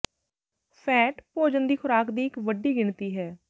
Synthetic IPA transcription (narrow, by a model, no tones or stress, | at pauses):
sɛːʈpoːd͡ʒənd̪iːxʰʊɾaːkd̪iːɪkʋəɖiːɡɪɳt̪iːɦɛː